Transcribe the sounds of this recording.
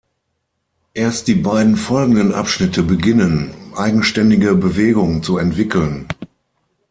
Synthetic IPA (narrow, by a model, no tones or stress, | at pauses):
ʔeːɐst̚d̥iːbaɪdn̩fɔlɡŋ̩dənʔa̰pʃnɪtʰəbəɡɪnənmʔaɪɡŋ̩ʃtɛndɪɡəbəveːɡʊŋt͡suɛntv̥ɪkʰl̩n